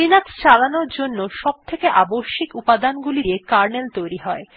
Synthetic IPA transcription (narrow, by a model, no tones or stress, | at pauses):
inakst͡ɕalanoɾd͡ʑonːoʃɔb̚t̪ʰekeʔaboʃːikupad̪anɡuliiekaɾnelt̪ojɾiɦɔe